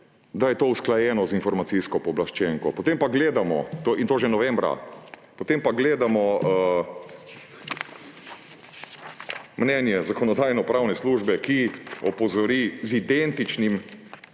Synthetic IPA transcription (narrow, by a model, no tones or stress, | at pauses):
d̪ajɛt̪oːusklajɛːnɔzinfɔɾmasiskɔpɔblaʃt͡ʃɛŋkɔ̰pɔt̪empaɡleːd̪amɔ̰t̪oːʔint̪oːʒɛnɔʋɛmbɾa̰ | pɔt̪eːmpaɡleːd̪amɔ | mnɛnjɛzakɔnɔd̪aːjnɔpɾawnɛsluːʒbɛkiɔpɔzɔɾiːzid̪ent̪it͡ʃnim